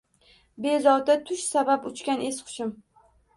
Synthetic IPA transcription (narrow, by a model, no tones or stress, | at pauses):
bezɒwd̪at̪ʰʊʃsabapʊt͡ʃkʲane̞sqʰʊ̥ʃɪm